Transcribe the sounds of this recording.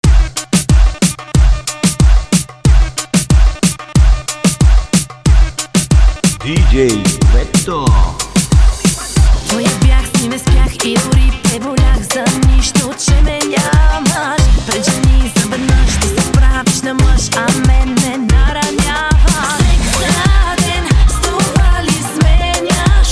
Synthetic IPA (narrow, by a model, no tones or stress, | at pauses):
d̪idʲɛjvɛt̪ːo | nojɐbjaxsnʲimɛspʲjaxid̪ʊɾipɛbolʲaxzɐniʃt̪ot͡ʃɛmɛɲʲavɐʃpɾɛʒɛnʲizɐvɛd̪nəʃt̪ɛsɐbɾaviʃnɐmlˠəʃɐmɛnːɛnɐɾɐnʲavɐ | ʃad̪ɛnsovalismɛɲa